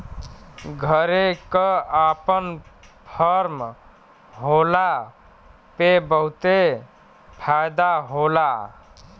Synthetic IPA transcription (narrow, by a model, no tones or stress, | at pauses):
ɡʱəɾekəapənpʰəɾm | ɦola | pebəɦut̪e | pʰajd̪aɦola